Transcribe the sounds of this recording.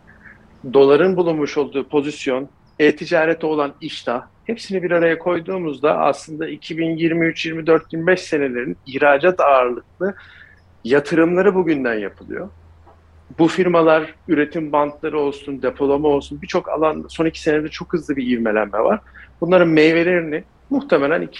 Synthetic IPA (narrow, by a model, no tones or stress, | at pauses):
d̪o̞lˠaɾɯnbulˠunmuʃo̞lˠd̪uːpʰo̞zisjo̞n | ɛːt̪ʰid͡ʒaːɾɛt̪ʰo̞lˠaniʃt̪ʰahepsinibiɾaɾajakʰo̞jd̪uːmuzd̪a̰a̰slˠɯnd̪aicʰibinjiɾmiyt͡ʃʰjiɾmid̪øɾt̪̚binbɛʃse̞ne̞lʲe̞ɾinihɾaːd͡ʒat̪aːɾlˠɯk̚lˠɯ | jat̪ʰɯɾɯmlˠaɾɯbuɟynd̪ænjapʰɯlˠɯ̰jo̞ | bufiɾmalˠaɾyɾe̞t̪ʰimbant̪ʰlˠaɾɯo̞lˠsund̪e̞pʰo̞lˠamao̞lˠsunbit͡ʃʰoka̰lˠanso̞nicʰi̥se̞ned̪ɛt͡ʃʰo̞khɯzlˠɯbiiɾme̞lʲæ̰mːɛva̰ɾ̥bunlˠaɾɯnmejve̞lʲeɾinɪ | muxt̪ʰe̞melʲæni